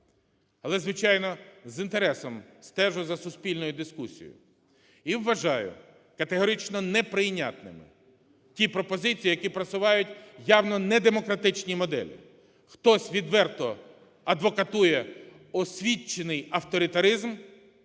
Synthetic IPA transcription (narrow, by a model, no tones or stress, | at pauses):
ɐlˠɛzʋɪt͡ʃɑjnɔzint̪eɾɛsɔmst̪ɛʒʊzɐsʊsʲpʲilʲnɔjʊd̪ɪskusʲḭjʊ̰ | iwːɐʒɑjʊ̰ | kɐt̪eɦɔɾit͡ʃnɔnɛpɾɪjnʲa̰t̪nɪ̰mɪ̰ | tʲipɾɔpɔzɪt͡sʲijijɐkʲipɾɐsʊʋɑjʊtʲjawnɔnɛd̪emɔkɾɐt̪ɪt͡ʃnʲimɔd̪ɛ̰lʲɪ̰ | xt̪ɔsʲʋʲid̪ʋɛrt̪ɔ | ɐd̪ʋɔkɐt̪ujɛ | ɔsʲʋʲit͡ʃːenɪjɐwt̪ɔɾʲɪt̪ɐɾɪzm